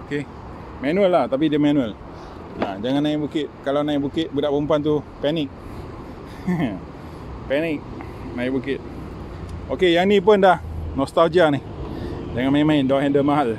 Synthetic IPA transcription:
oke | mɛnuəlːaht̪ap̬idəmɛnuəl | ã̰d͡ʒaŋanːaɪʔbukɪt̪̚kalawnãɪʔbukɪt̪̚budaʔpumpant̪̬upɛnɪk̚ | pɛnɪk̚nãiʔ̚bukɪt̪̚ | okejaŋnip̬ʊndahnɔst̪ald͡ʒianihd͡ʒaŋanmaimaɪndɔɦɛndəmaɦal

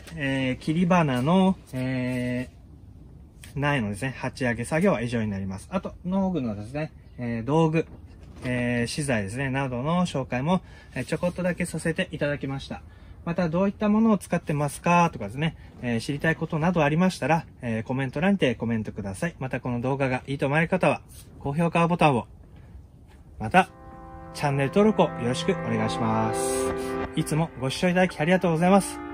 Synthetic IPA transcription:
eːkʲiɾʲibanano̞eː | naeno̞d̪e̞sɨne̞hat͡ɕiaɡe̞saɡʲo̞βaiʑo̞ːɲ̟inaɾʲimasɨ̥at̪o̞no̞ːɡɯ̟no̞d̪e̞sɨne̞ | eːd̪o̞ːɡɯ̟ | eːɕizaid̪e̞s̬ɨne̞nad̪o̞no̞ɕo̞ːkaimo̞ | eːt͡ɕo̞ko̞t̪ːo̞d̪ake̞sase̞t̪e̞ʔit̪ad̪akʲimaɕi̥t̪a | mat̪ad̪o̞ːit̪ːamo̞no̞ːt͡sɨ̥kat̪ːe̞masɨ̥kat̪o̞kad̪e̞sɨne̞ | eːɕiɾʲit̪aiko̞t̪o̞nad̪o̞aɾʲimaɕi̥t̪aɾa | eːko̞mẽ̞nt̪o̞ɾãnt̪e̞ko̞mẽ̞nt̪o̞kɯ̟d̪asaimat̪ako̞no̞d̪o̞ːɡaɡaʔiːt̪o̞maeɯkat̪aβa | ko̞ːço̞ːkaβabo̞t̪ãɰ̃o̞ | mat̪a | t͡ɕãnːe̞ɾɯ̟t̪o̞ːɾo̞kojo̞ɾo̞ɕi̥kɯ̟ʔo̞ne̞ɡaiɕimasɨ̥it͡sɨmo̞ɡo̞ɕi̥ɕːo̞it̪ad̪akʲi̥aɾʲiɡat̪o̞ːɡozaimasɨ̥

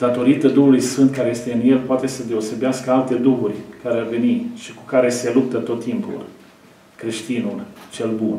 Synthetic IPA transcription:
d̪̥at̪o̞ɾit̪əd̪uɦulujsfɨnt̪̚kaɾeje̞st̪e̞ɨnje̞lpoat̪e̞səd̪e̞o̞se̞beaskəalt̪e̞d̪uɦurʲkaɾearve̞niʃiku̥kaɾe̞se̞lup̚t̪ət̪o̞t̪ːimpṵl | kɾe̞ʃt̪inult͡ʃe̞lbun

